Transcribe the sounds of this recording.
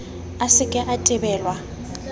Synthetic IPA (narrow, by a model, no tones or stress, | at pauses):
asɪkʼɪʔatʼɪbɛːlwa